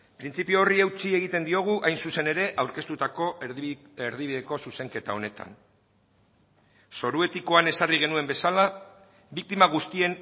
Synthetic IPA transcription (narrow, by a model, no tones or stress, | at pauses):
pɾint͡sipio̞ːriewt͡sie̞ɣit̪e̞nd̪io̞ɣ̞uʔajnsuse̞ne̞ɾe̞ʔawɾke̞st̪ut̪ako̞ | eɾð̞iβiðe̞ko̞suse̞ŋke̞t̪ao̞ne̞t̪a̰n | so̞ɾue̞t̪iko̞ane̞sariɣ̞e̞nue̞mbe̞sala | bik̚t̪imaɣ̞ust̪ie̞n